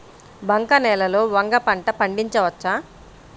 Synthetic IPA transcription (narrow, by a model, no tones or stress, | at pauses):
bʱɐŋkɐnɛːlɐlo̞ːʋɐŋɡɐpɐɳʈɐpɐɳɖiɲt͡ʃɐʋɐt͡ʃːaː